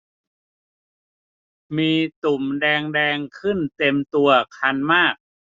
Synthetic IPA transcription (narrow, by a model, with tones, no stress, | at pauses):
miː˧t̪u˨˩mdɛː˧ŋdɛː˧ŋkʰɯ˥˩nt̪e˧mt̪u˧ɐkʰa˧nmaː˥˩k̚